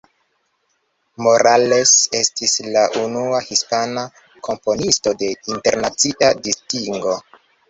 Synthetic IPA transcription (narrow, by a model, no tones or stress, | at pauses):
mo̞ɾale̞se̞stislaʔunuahispana | kʰo̞mponisto̞de̞inte̞ɾnat͡siʔadistiŋɡo̞